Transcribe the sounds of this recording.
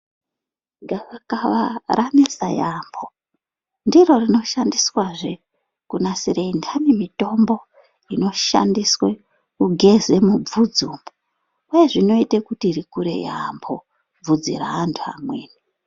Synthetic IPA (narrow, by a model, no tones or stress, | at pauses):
ŋɡaʋakaʋaranesa̰jambo | ndiro̞rino̞ʃandiswaʐe | kunasiɾeindanimito̞mbo̞ | ino̞ʃa̰ndiswe | kuɡʱe̞ze̞mub͡vud͡zumbo | uje̞ʐino̞itekutiːɾikuɾe̞̰ja̰mbʰo̞ | b͡vud͡zḭɾa̰ːntʰua̰mwḛːni